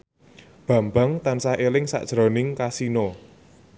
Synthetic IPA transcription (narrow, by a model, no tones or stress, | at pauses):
b̥ä̤mbaŋt̪ansaelɪŋsa̰ʔd̥ʒ̥ɾo̤nɪŋkasino